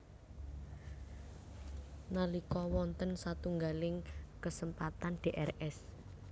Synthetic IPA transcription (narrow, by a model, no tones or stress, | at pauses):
nalikɔwɔnt̪ənsat̪uŋɡalɪŋkəsəmpat̪anɖ̥e̤ʔɛrɛs